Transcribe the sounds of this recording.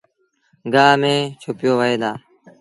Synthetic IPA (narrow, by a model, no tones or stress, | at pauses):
ɡaːmẽːt͡ʃʰʊpjoːʋəɦeːd̪aː